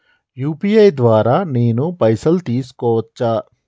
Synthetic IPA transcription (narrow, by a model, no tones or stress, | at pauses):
juːpiːɐjd̪ʋaːɾaːneːnupɐjsɐlt̪iːsu̥kɔːʋɐt͡ʃːaː